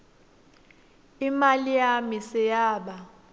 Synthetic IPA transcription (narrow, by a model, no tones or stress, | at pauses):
imalijamisɛjaːɓa